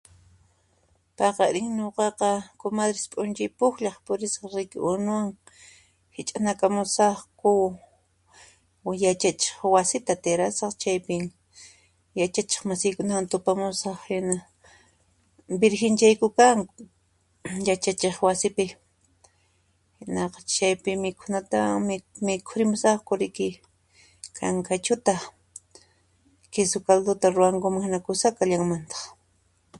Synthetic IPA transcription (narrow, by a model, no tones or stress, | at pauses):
pɑqɑɾɪŋɲoqɑqɑkʊmaðɾɪspʼʊnt͡ʃɪjpʊxʎɑχpʊɾɪsqɑɾejkɪʔʊɾnʊwaŋ | hɪt͡ʃʼanakamʊsɑχkʊ | jat͡ʃat͡ʃe̥χwasɪt̪at̪eɾasɑχt͡ʃajpɪŋ | jat͡ʃat͡ʃe̥χmasɪjkʊnawant̪ʊpamʊsɑχhɪna | bɪɾxɪnt͡ʃajkʊkaŋ | jat͡ʃat͡ʃeχwasɪpɪ | hɪnɑqɑ̥t͡ʃajpɪmɪkʰʊnat̪awaŋmɪmɪkʰʊɾɪmʊsɑχkʊɾɪkɪ | kʰa̰ŋkat͡ʃʊt̪a | kɪsʊkald̪ʊt̪aɾʊwaŋkʊmaŋhɪnakʊsakaʎaŋmant̪ɑ̥χ